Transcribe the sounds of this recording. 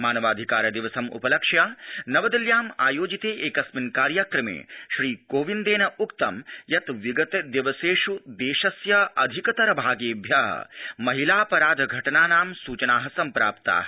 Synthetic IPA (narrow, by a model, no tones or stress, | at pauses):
maːnɐʋaːd̪ʱikaːɾɐd̪iʋɐsɐmṵpɐlɐkʂjaːnɐʋɐd̪ɐljaːmaːjoːd͡ʒit̪eːʔeːkɐsminkaːɾjakɾɐmḛːʃɾiːkoːʋind̪eːnɐukt̪ɐmjɐt̪ʋiɡɐt̪d̪jɐʋɐseːʃud̪eːʃɐsjɐɐd̪ʱikɐt̪ɐɾɐbʱaːɡeːbʱjaɦɐ̰mɐɦilaːpɐɾaːd̪ʱɐɡʱɐʈɐnaːnaːmsuːt͡ʃɐnaːɦɐsɐmpɾa̰ːpt̪a̰ːɦ